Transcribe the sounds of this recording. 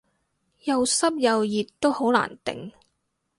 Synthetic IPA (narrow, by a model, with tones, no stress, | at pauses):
jɐ˨wsɐ˥p̚jɐ˨wjiː˨tt̪ːo˥who˨˥wla̰ː˨˩nt̪ɪ̰˨ŋ